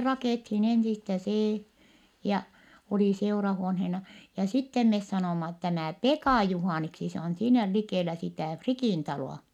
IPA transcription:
rɑkeˑthin ensistæ seː jɑ oli seurɑhuonhenɑ jɑ sitːem mes sɑnoˑmɑ tæmæˑ pekɑˑ juhɑˑniksi se on siːnæ likeˑlæ sitæˑ frikiˑn tɑloˑɑ

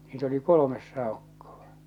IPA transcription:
niːt oli kolomes sɑˑokːoʋ̥ɑ̥

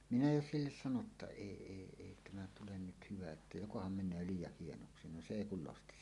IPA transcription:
minæ jo silːes sɑno tːɑ eˑi eˑi eˑi tæmæ tulen nyt hyʋæ etːæ jokohɑm menˑøː liːjˑɑh hienoksi no se eˑi kul losti

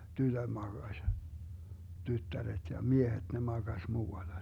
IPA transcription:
tytød̥ mɑɡ̊ɑsʲ tytːæret jɑ miehet ne mɑɡ̊ɑsʲ muːɑlːɑ

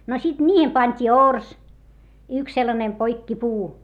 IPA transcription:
no sit nʲiːhem pɑnʲtʲiː ors yks selːɑnem poikːipuː

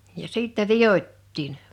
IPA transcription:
jɑ siˑtːɛ ʋij̆otʲtiːn

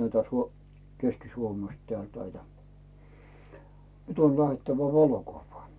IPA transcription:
næitæ suo keskisuomest tĕæˑlt næitæ nyt on læh̆etːæʋæ ʋɑlokuʋːɑː

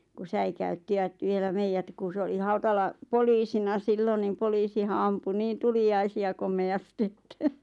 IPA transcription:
ku sæikæytːiʋ̆æt ʋielæ meijæt ku se oli hɑutɑlɑ poliːsinɑ siːlon nim poliːsihɑ ɑmpu niːn tuliɑisiɑ komeɑsti̥ etːæ

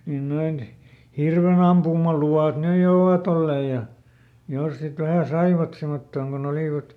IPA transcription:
niːn noin hirʋenɑmpumɑluɑˑt nyj jo oʋɑt olːeːj̆ jɑ jos sit ʋæhæˑ sɑiʋɑt semotːoːŋ kon oliˑʋɑt

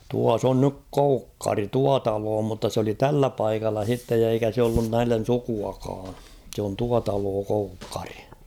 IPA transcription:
tuɑs on nyk koukːɑri tuɑ tɑloː mutːɑ s oli tælːæ pɑikɑlːɑ h̞itːej jɑ eikæ se olːun næilːen̞ sukuɑkɑː sĕ on tuɑ tɑloː koukːɑ̥r̥i̥

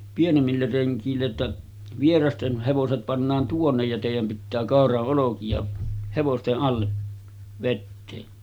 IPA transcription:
pienemːilːer reŋkˑiːlːe tːæ ʋierɑsten heʋoset pɑnːɑːn tuonːej jɑ teˑijæm pitːæː kɑˑorɑʔ ʔolokiɑ heʋosteʔ ʔɑlːe ʋetːeː

